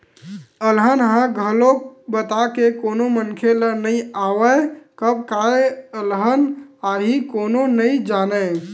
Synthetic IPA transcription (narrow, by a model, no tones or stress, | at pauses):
əlɦənɦãɡʱəlobət̪akekonomənkʰelənəjawəkəb̚kaeəlɦənaɦikononəjd͡ʒanə